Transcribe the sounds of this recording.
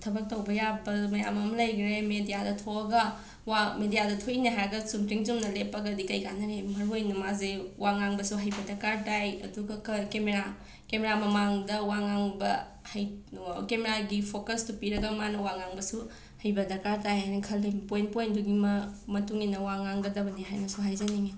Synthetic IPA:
tʰɐbɐk̚tɐwbɐjabɐmɐja̰mɐmlɐjɡɾemedijadɐtʰoɐɡɐ | wamedijadɐtʰoinɐɦaɾɐɡɐsumtiŋd͡ʒumnɐlepːɐɡɐdikɐjɡanɐɾemɐɾɦojnɐmazewaŋaŋbɐsuɦɐjbɐdɐɾkaɾtajɐ̰duɡɐkɐkemeɾa | kemeɾamɐmaŋdɐwaŋaŋbɐ | hɐjkemeɾaɡipʰokɐstupiɾɐɡɐmanɐwaŋaŋbɐsu | hɐjbɐdɐɾkaɾtajajnɐkʰɐliŋpojnpojnduɡimɐmɐtuŋinɐwaŋaŋɡɐdɐbɐniɦajnɐsuɦajzɐniŋe

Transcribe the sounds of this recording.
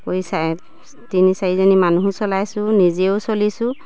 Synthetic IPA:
kojsa | tinisaɹizɔnimanuɦusɔlajsʊnizeosolisʊ

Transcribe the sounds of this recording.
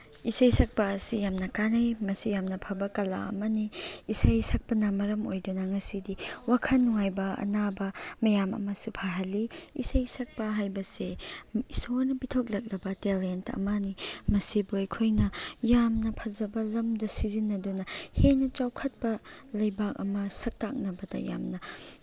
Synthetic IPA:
isɐjsɐk̚pɐːsijamnɐkanɐjmɐsijamnɐpʰɐbɐkɐla̰ɐ̰mɐniːsɐjsɐk̚pɐnamɐɾɐmo̰jdunɐŋɐsidiwakʰɐnːuŋajbɐɐ̰nabɐmɐjamɐ̰mɐsupʰaɦɐliisɐjsɐk̚pɐɦajbɐseisoɾnɐpitʰok̬̚lɐk̚ɾɐbɐtelentʰɐ̰mɐnimɐsibojkʰojnɐjamnɐpʰɐzɐbɐlɐmdɐsizinːɐdunɐhenɐt͡ʃawkʰɐt̚pɐlɐjbak̚ɐ̰mɐsɐk̚tak̚nɐbɐdɐ̰ja̰mnɐ

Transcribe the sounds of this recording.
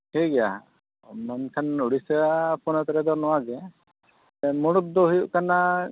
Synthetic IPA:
heɡɛja̰ | mankʰanuɽisəpɔnɔt̪ɾɛd̪ɔɾnɔwaɡɛ | muɽup̪̚d̪ɔɦujuʔkana

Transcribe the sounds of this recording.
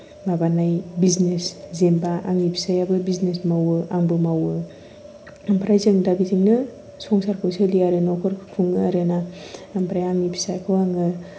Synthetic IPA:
mabanajbizneszembaʔaŋipʰi̥sajabɯbiznesmawɯaŋbɯmawɯ | mpʰɾajzɯŋdaɡiziŋnɯ | sɔŋsaɾkʰɯwsɯlijaɾɯnɔkʰɔɾkʰuŋɯaɾɯnampʰɾajaŋipʰi̥sajkʰɯwaŋɯ

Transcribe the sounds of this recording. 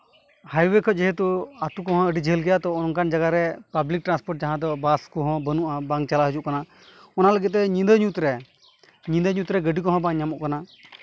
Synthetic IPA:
hajwekʰɔd͡ʒɛɦɛt̪uat̪ukɔɦɔ̃əɖid͡ʒɦəlɡɛjat̪ɔɔnnkand͡ʒaɡaɾɛpablik̚ʈɾanspɔɾʈ̚d͡ʒaɦãd̪ɔbaskɔɦɔ̃bənuʔabaŋt͡ʃalaɦəd͡ʒuʔkana | ɔnaləɡit̪̚ːɛĩnd̪əɲut̪ɾɛ | ɲĩnd̪əɲut̪ɾɛɡəɖikɔɦɔ̃baŋɲamɔʔkana

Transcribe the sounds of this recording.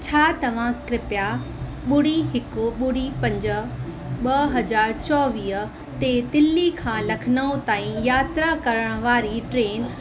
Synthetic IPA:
t͡ɕʰaːt̪ɐʋ̤ãkɾɪpja | ɓʊɽ̤iɦɪkʊɓʊɽ̤ipɐ̃ɲd͡ʑə̆ | ɓɐɦɐd͡ʑaːɾt͡ɕɔːʋiːɦə̆ | t̪et̪ɪlːikʰãːlɐkʰɪnəũt̪aːĩjaːt̪ɾakɐɾəɽ̃ə̆ʋaːɾiʈɾeːn

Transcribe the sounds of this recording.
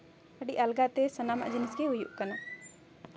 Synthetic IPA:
əɖiʔɐlɡat̪esənama̰ʔd͡ʒinisɡeɦujṵʔkɐna

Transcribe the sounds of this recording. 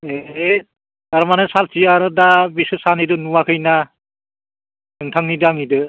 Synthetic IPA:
ee | aɾmanasalt͡ʃiaɾɯdabisɯsanidɯnuwakʰɯjna | tɯŋtʰaŋnidaŋidɯ

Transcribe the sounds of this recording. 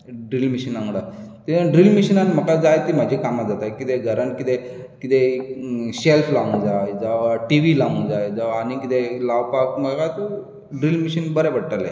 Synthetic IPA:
ɖɾilmiɕinãŋɽat̪iɖɾilmiɕinanm̤əkad͡zajt̪imad͡ʑʱikamad͡zat̪ajkit̪eɡʱəɾənkit̪e | kit̪e | ɕelpʰlaũd͡zajd͡zaʋaʈiʋilaũd͡zajd͡zəʋaːnikit̪elaʋpak̚məkat̪o | ɖɾilmiɕinbəɾɛbəɽʈalḛ

